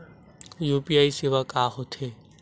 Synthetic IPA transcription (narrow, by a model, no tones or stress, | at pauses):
juːpijaːiseʋakaɦot̪ʰeː